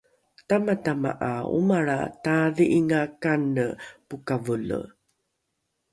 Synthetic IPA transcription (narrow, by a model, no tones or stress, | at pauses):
tamatama̰ʔaṵmaɭa̰taðiʔiŋakanəpukavulə̰